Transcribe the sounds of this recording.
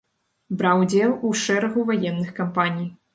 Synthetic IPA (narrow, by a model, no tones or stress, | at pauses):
bɾawd͡zʲɛlˠuʂɛɾɐɣuvajɛnːɨxkampanʲij